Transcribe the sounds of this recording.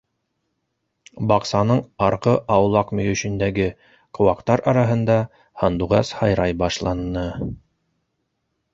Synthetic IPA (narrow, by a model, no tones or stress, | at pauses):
bɑqsɑnɤɴɑɾqɤʔɑwlˠɑqmɵ̆jɵ̆ʃɵ̆nd̪æɡɘ | qowɑqt̪ɑɾʔɑɾɑɦɤ̆nd̪ɑ | hɑnd̪uʁɑshɑjɾɑjbɑʃlˠɑnːɤ